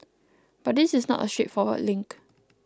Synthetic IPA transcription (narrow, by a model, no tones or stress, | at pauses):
b̥at̚dɪsɪsnɔ̰təstɹetfɔwə̰dlɪ̃ŋk